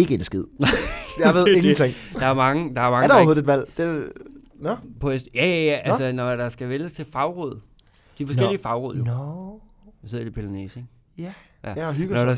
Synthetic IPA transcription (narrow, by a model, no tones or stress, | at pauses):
e̝ɡ̥əedsɡ̥ið̞̰ˠnɑjɑ̈ɪʋe̝ð̞̰ˠeɡnt͡sʰeŋ̥ɑ̈æɐmɑ̈ŋəd̥ɑ̈æɐmɑ̈ŋdhoðˠedʋæl̰d̥e | nɔpʰɒ̽esd̥jæjæjæʔælsənɒd̥ɑ̈sɡ̥æʋeləst͡sʰe̝fɑ̈ʊʁoð̰ˠ | d̥ifɒsɡel̰iəfɑ̈ʊʁoð̰ˠjo | ɑse̝̰dipʰelnḛseŋ | jæ | jæɦyɡ̥nɒdɑ